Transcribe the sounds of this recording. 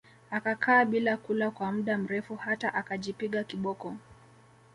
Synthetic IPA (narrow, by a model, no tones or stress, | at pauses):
akakʰaːɓilakulakwam̩ɗam̩ɾɛfuhataʔakaʄipiɠakiɓɔkɔ